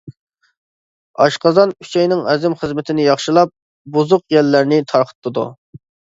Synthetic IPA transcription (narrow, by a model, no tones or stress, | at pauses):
ɑ̰ʃqɑzɑnʰy̥t͡ʃʰɛjnɪŋɛzɪmχəzmɪt̪ʰɪnɪjɑχʃɨlˠɑp̚ | buzʊqjɛlːæɾnɪt̪ʰɑɾqʰə̥t̪ʰːɨd̪ṵ